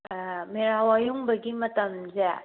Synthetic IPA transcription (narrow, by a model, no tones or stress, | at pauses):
meɾawajuŋbɐɡimɐtɐmzɛ